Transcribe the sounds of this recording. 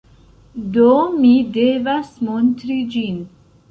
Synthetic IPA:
d̪omid̪evasmont̪ɾid͡ʒin

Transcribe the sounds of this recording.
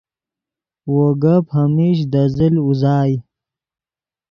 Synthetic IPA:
woɡaphɐmiɕ̬d̪əziluzɑːj

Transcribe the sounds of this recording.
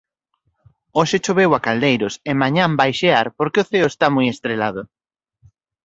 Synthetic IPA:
oʃet͡ʃoβewakald̪ejɾʊsemãɲãmbajʃeaɾpoɾkeʊθeʊest̪amujest̪ɾelað̞ʊ

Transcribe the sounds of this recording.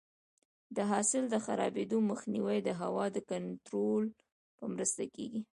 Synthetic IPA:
d̪əɦɑsɪld̪əxaɾɑ̰bed̪oməxniwajd̪əɦawɑd̪əkant̪ɾol | pəmɾəst̪akḛɡi

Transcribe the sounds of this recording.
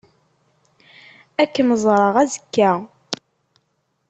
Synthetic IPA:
ækːəməzˤɾˤəʁæzəkːæ

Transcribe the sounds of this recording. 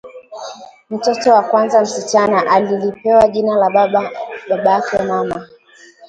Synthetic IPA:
m̩tɔtɔwakwanzam̩sit͡ʃanaʔalilipɛwaʄinala | ɓaɓaakɛmama

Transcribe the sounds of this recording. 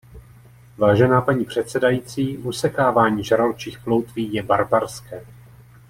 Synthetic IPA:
vaːʒɛnaːpaɲiːpr̝̥ɛt̪sɛdajiːt͡siːʔusɛkaːvaːɲiːʒaɾalt͡ʃiːxplowt̪viːjɛbaɾbaɾskɛː

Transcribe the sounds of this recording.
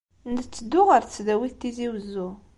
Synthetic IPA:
nt͡sːəd̪ːʊʁəɾt͡sːd̪æwiθt̪ːiziwəzːu

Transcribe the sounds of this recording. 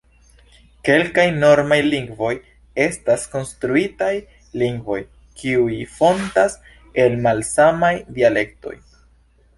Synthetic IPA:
ke̞lkajno̞ɾmajliŋɡvo̞j | e̞stasko̞nstɾuitaj | liŋɡvo̞j | kiujifo̞ntas | e̞lmalsamajdiale̞k̚to̞̰j

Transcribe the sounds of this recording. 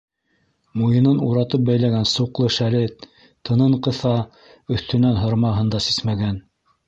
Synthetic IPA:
mujɤ̆nɤnuɾɑt̪ɤp̚bæjlæɡænsuqlˠɤʃælɘ | t̪ʰːɤ̆nɤɴqɤ̆θɑ | ɵ̆θt̪ɵ̆nænɦŏɾmɑɦɤnd̪ɑsi̥smæɡæn

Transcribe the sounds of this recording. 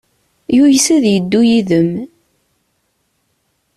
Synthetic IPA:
jujsæðjəd̪ːujiðəm

